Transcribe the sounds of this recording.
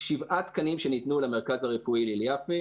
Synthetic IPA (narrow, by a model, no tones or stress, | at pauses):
ʃivʔat̪kanimʃenit̪nulameʁkazaʁefuililjafi